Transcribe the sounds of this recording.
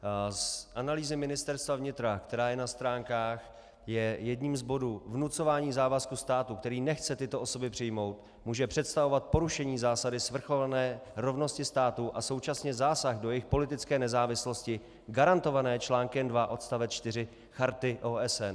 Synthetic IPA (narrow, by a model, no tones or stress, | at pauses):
sʔanaliːzɪmɪnɪst̪ɛɾst̪vavɲɪt̪ɾakt̪ɛɾaːjɛnast̪ɾaːŋkaːx | jɛjɛdɲiːmzbo̞duːvnut͡so̞vaːɲiːzaːvaskust̪aːt̪ukt̪ɛɾiːnɛxt͡sɛt̪ɪt̪o̞ʔoso̞bɪpr̝̥ɪjmo̞wt̪ | muːʒɛpr̝̥ɛt̪st̪avo̞vat̪̚po̞ɾuʃɛɲiːzaːsadɪsvr̩xo̞lanɛːɾo̞vno̞scɪst̪aːt̪uʔaso̞wt͡ʃasɲɛzaːsaxdo̞jɛɪxpo̞lɪt̪ɪt͡skɛːnɛzaːvɪslo̞scɪ | ɡaɾant̪o̞vanɛːt͡ʃlaːŋkɛmdvaʔo̞t̪st̪avɛt͡st͡ʃt̪ɪr̝ɪ | xaɾt̪ɪʔoːɛsɛn